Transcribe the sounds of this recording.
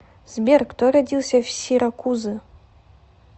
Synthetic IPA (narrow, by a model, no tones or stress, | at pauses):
z̥bʲerkt̪oɾadʲilˠsʲɐfsʲiɾakuzɨ